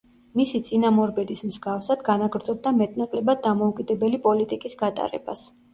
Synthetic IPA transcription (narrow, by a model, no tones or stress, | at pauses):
misit̪sʼinamɔɾbɛd̪ismzɡafsad̪ɡanaɡɾd̪zʼɔb̚d̪amɛt̪ʼnakʼlɛbad̪amɔukʼid̪ɛbɛlipʼɔlit̪ʼikʼisɡat̪ʼa̰ɾɛ̰bas